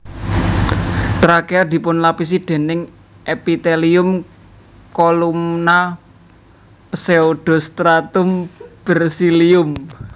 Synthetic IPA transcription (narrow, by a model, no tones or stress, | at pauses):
t̪ɾakead̪̥i̤pʊnlapis̬id̪̥e̤nɪŋ | ʔepit̪eliʊm | kolumna | pseod̪̥ɔ̤st̪ɾat̪ʊmb̥ərsiliʊm